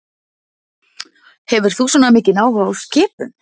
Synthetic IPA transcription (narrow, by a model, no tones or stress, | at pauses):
hɛvʏɾ̥θuswɔːnamɪːcɪnaːwhaawscɪːpʏ̰n